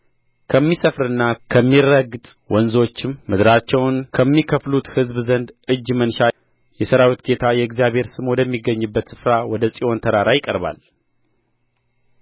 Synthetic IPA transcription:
kʰəmːisəfɾɨnːakʰəmːirːəɡɨt̪ʼ | wɔnzo̞t͡ʃːɪmːɨd̪ɾat͡ʃːɛwnkʰəmːikʰəflut̪hɨzbzənd̪ɨd͡ʒːmənʃa | jɛsəɾawit̪ɡe̞t̪ʰajɛɨɡzijaβʱhe̞ɾsɨmod̪əmːiɡːəɲːɨbːət̪sɨfɾawɔd̪əsʼiʔo̞nt̪ʰəɾaɾajɪkʼəɾba̰l

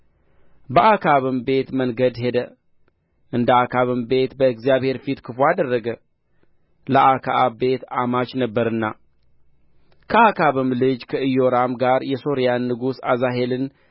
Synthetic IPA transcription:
bəʔakʰaβɨmbe̞t̪mənɡəd̪ɦe̞d̪ə | ʔɨnd̪əakʰaβɨmbe̞t̪bəɨɡzjaβhe̞ɾfit̪kʰɨfuad̪ərːəɡə | ləʔakʰaʔabbe̞t̪amat͡ʃnəbːəɾɨnːa | kʰəakʰaβɨmlɨd͡ʒkʰəɨjo̞ɾamɡaɾjɛso̞ɾijanːɨɡusazaɦe̞lɨn

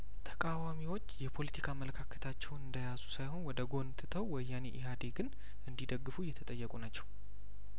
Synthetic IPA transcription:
t̪ʰə̥kʼawamiwo̞t͡ʃːjɛpʰo̞lət̪ʰikʰamələkʰakʰət̪ʰat͡ʃːɛwnɨnd̪əjazusajho̞nwɔd̪əɡo̞nt̪ʰɨt̪ʰəwwɔjːanḛʔɪɦad̪eɡɨn | ʔɨnd̪id̪əɡːɨfujɛt̪ʰət̪ʼəjːɛkʼunat͡ʃːɛw

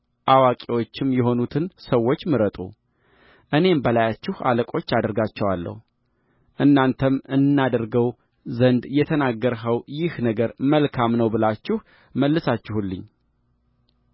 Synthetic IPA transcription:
ʔawakʼiwo̞t͡ʃːɪmjɛɦo̞nut̪ʰɨnsəwːot͡ʃːmɨɾət̪ʼṵ | ʔɨne̞mbəlajat͡ʃːɪha̰ləkʼo̞t͡ʃːad̪əɾɡat͡ʃːɛwalːə̰hu | ʔɨnːant̪ʰəmɨnnːad̪əɾɡəw | zənd̪jɛt̪ʰənaɡːəɾɦəwjɪhnəɡəɾməlkʰamnəwbɨlat͡ʃːɪh | məlːɨsat͡ʃːɪhulːɨ̰ɲː

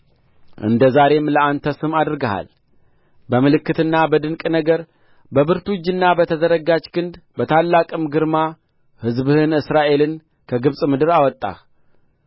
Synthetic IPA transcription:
ʔɨ̰nd̪əzaɾe̞mləant̪ʰəsɨmad̪ɾɨɡəha̰l | bəmɨlɨkːɨt̪ɨnːabəd̪ɨnkʼnəɡəɾ | bəbɨɾt̪ud͡ʒɨnːabət̪ʰəzəɾəɡad͡ʒkʰɨnd̪bət̪ʰalːakʼɨmɡɨɾma | hɨzβɨhɨnɨsɾaʔe̞lɨn | kʰəɡɨβsʼmɨd̪ɨɾawɔt̪ʼːa̰

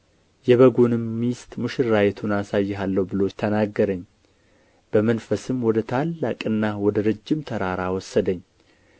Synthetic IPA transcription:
jɛβəɡonɨmːist̪ʼmɨʃɪɾajɛt̪ʰunasajːɛɦalːəwbɨlost̪ʰənaɡːəɾəɲː | b̥əmənfəsɨmwɔd̪ət̪ʰalːakʼɨnːawɔd̪əɾɨd͡ʒːɪmt̪ʰəɾaɾawɔsːəd̪əɲː

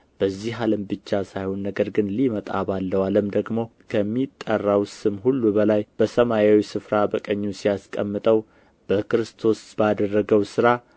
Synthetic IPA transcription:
b̥əzːiɦaləmbɨt͡ʃːasajhonːəɡəɾɡɨnlimət̪ʼa̰balːəwaləmd̪əɡmo̞kʰəmːit̪ʼːərːawsɨmɦulːubəlajb̥əsəmajawisɨfɾabəkʼəɲːusijaskʼəmːɨt̪ʼəw | b̥əkɾɨst̪ʰo̞sb̥ad̪ərːəɡəwsɨɾa

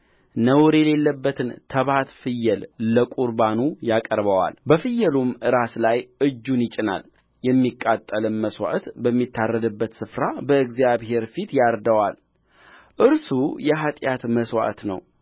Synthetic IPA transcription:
nəwɾɛle̞lːəbːət̪ʰɨnt̪ʰəβat̪fɨjːəlːəkʼuɾbanujakʼəɾbəwa̰lbəfɨjːəlumʔɨɾaslajʔɨd͡ʒːunjɪt͡ʃʼɪna̰l | jɛmːikʼːat̪ʼːəlɨnməswa̰ʔt̪bəmːit̪ʰːarːəd̪ɨbːət̪sɨfɾabəɨɡzijaβhe̞ɾfit̪jaɾd̪əwal | ʔɨɾsujɛɦat̪ʼjat̪məswa̰t̪nə̰w

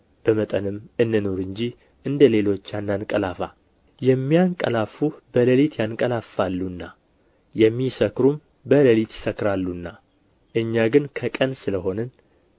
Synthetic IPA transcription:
b̥əmət̪ʼənɨmɨnːɨnoɾɨɲd͡ʒi | ʔɨnd̪əle̞lo̞t͡ʃːanːankʼəlafa | jɛmːijaŋkʼə̰lafubələlit̪ʰjankʼəlafalːunːa | jɛmːisəkɾum | bələlit̪jɪ̥səkːɾalːunːa | ʔɨɲːaɡɨnkʰəkʼənsɨləɦo̞nɨn

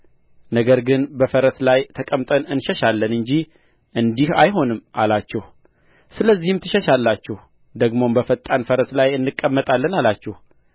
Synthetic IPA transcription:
nəɡəɾɡɨnbəfəɾəslajt̪ʰəkʼəmt̪ʼənɨnʃɛʃalːənɨɲd͡ʒi | ʔɨnd̪ihajɦo̞nɨmːʔa̰lat͡ʃːɛh | sɨləzːihɨmt̪ʰɨʃəʃalːat͡ʃːɛh | d̪əɡmo̞mbəfət̪ʼːanfəɾəslajɨnːɨkʼːəmːət̪ʼalːənalat͡ʃːɛh

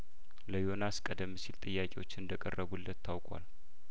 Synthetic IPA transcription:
ləjo̞naskʼəd̪əmːsilt̪ʼɨjːakʼewot͡ʃːɪɨnd̪əkʼərːəβulːət̪ʰːawkʼwa̰l

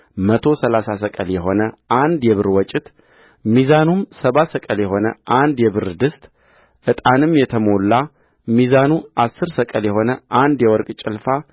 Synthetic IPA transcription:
mət̪ʰo̞səlasasəkʼəljɛɦo̞nəʔand̪jɛβɨɾwɔt͡ʃʼːɪt̪ | mizanumsəβat̪səkʼəljɛɦo̞nə̰ʔand̪jɛβɨɾd̪ɨst̪ʼ | ʔɨt̪ʼanɨmjɛt̪ʰəmo̞lːa | mizanuʔasːɨɾsəkʼəljɛho̞nəʔand̪jɛwɔɾkʼt͡ʃʼɪlfa

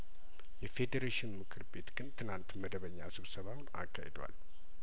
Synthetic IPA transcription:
jɛfe̞d̪eɾeʃɪnmɨkʰɨɾbe̞t̪ɡ̥ɨnt̪ʰɨnant̪məd̪əβəɲːa̰sɨβsəβawʊna̰kʰːa̰hḛd̪wa̰l

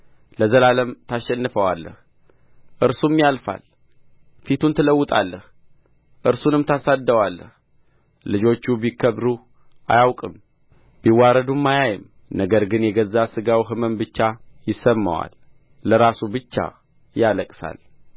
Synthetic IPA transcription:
ləzəlaləmt̪ʰaʃɛnːɨfəwalːə̰h | ʔɨɾsumjalfa̰l | fit̪unt̪ʰɨləwːɨt̪ʼa̰lːəh | ʔɨɾsunɨmt̪ʰasad̪ːəwalːə̰h | lɨd͡ʒo̞t͡ʃːubikʰːəβɾu | ʔa̰jawkʼɨm | biwaɾəd̪umːajajɪm | nəɡəɾɡɨnjɛɡəzːasɨɡawiɦɨməmbɨt͡ʃːajɪsəmːa̰wa̰lː | əɾasubɨt͡ʃːa̰ | jaləkʼsa̰l

